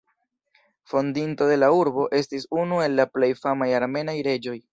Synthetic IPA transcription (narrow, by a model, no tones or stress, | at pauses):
fo̞ndinto̞de̞lauɾbo̞ʔe̞stisunue̞lːaple̞jfamajaɾme̞najɾe̞d͡ʒo̞j